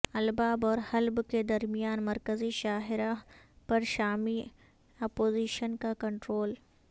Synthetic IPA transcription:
ɐlbaːbɔːɾhɐlbked̪ɐɾmijaːnmɐɾkəziʃaːɦɪɾapɐɾʃaːmi | ɐːpoːziːʃənkakɐ̃ɳʈɾoːl

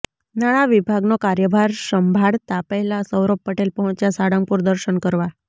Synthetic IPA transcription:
naɽ̃aʋibʱaɡnokaɾjəbʱaɾsəmbʱaɽt̪apəlasəwɾopːəʈelpəɦɔ̃t͡ʃjasaɽəŋpuɾd̪əɾʃəɳkəɾʋa

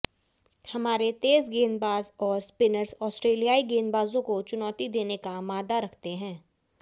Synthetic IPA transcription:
hɐmaːɾet̪eːzɡeːnbaːzɔːɾspɪnəɾzɔːsʈɾeːlijaːiɡeːnbaːzõkot͡ʃʊnɔːt̪id̪eːnekamaːd̪aɾɐkʰt̪eɦɛ̃ː

